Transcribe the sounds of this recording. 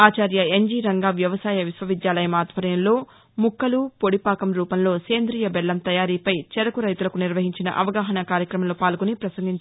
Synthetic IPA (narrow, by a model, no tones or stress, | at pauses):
aːt͡ʃaːɾjɐeɲd͡ʒiːɾɐŋɡaːʋjɐʋɐsaːjɐʋisʋɐʋid̪jaːlɐjɐmaːt̪ʋɐɾɐjɐmlo̞ː | mukːɐlupoɽipaːkɐmɾuːpɐmlo̞ːseːnd̪ɾiːjɐbɛɭːɐmt̪ɐjaːɾiːpɐjt͡ʃɛɾɐkuɾɐjt̪ulɐkuniɾʋɐɦiɲt͡ʃinɐ̰ʔɐʋɐɡaːɦɐnɐkaːɾjɐkɾɐmɐmloːpaːlkonipɾɐsɐŋɡiɲt͡ʃ